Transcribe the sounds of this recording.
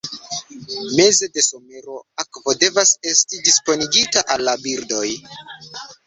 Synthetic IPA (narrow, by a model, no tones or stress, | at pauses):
me̞ze̞de̞so̞me̞ɾo̞akvo̞de̞vase̞stidispo̞niɡitaʔalːabiɾdo̞j